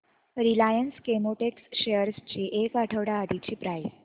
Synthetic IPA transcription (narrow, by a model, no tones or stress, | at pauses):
ɾilajənskemoʈeksɕejəɾst͡ɕiːʔekaʈʰəʋɽaːd̪it͡ɕiːpɾajs